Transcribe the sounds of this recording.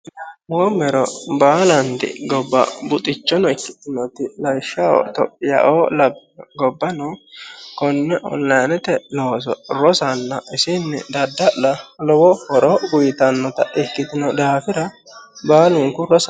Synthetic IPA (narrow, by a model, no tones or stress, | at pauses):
moːmɛɾɔbaːlɐnt̪ɪ̰ɡɔbːɐ̰bʊt̪ʼɪt͡ʃːɔnɔɪkːɪ̥t̪ːɪnɔt̪ɪlɐjʃːɐo̰t̪ɔpʼːɪja̰ʔolɐbɡɔbːɐnɔkɔnːɛʔɔ̰nlɐjnɛt̪ɛloːs̬ɔ̰ɾɔsɐnːɐɪsɪnːɪ̰d̪ɐd̪ːɐlɐlɔwɔhɔɾɔɡʊjɪt̪ɐnːɔt̪ɐʔɪkːɪt̪ɪnɔd̪aːfɪɾɐ | baːlʊŋkʊɾɔsɐ